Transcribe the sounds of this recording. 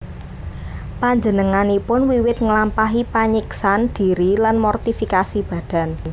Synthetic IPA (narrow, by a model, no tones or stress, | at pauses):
paɲd͡ʒənəŋanipʊnwiwɪt̪̚ŋəlampaɦipaɲiksand̥i̤ɾilanmɔrt̪ifikasib̥ä̤d̥a̤n